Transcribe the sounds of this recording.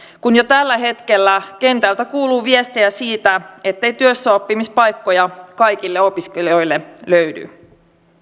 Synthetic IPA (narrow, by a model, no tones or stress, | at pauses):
kunjo̞t̪ælːæɦe̞t̪ke̞lːæke̞nt̪ælt̪ækuːluːʋie̞st̪ejæsiːt̪æe̞t̪ːe̞jt̪yøsːæopːimispɑjkːo̞jɑkɑjkilːeo̞piskelijo̞jlːe̞løɥdy̰